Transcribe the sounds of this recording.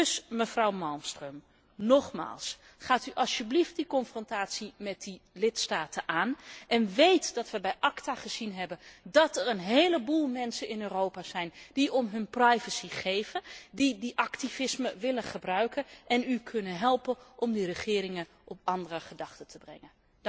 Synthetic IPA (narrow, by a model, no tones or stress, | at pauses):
dɵsməvrɑwmɑlˠmstrøm | nɔχma̰ːlˠs | χaːtyʔɑlˠsybliftdikɔnfrɔntaːtsimɛt̚dilɪtstaːtəʔaːnʔɛnʋejtdɑtʋəbɛjʔɑktaːχəz̥inɦɛbəndɑtɛrənɦejləbulˠmɛnsənɪnøːrowpaːzɛjnd̥iɔmɦɵnprajvəsiχejvəndidiʔɑktivɪsməʋɪləχəbrœɥkənʔɛnykʰɵnənɦɛlˠpənʔɔmdirəχɪːɾɪŋən | ʔɔp̚ɑndərəχədɑχtətʰəbrɛ̰ŋən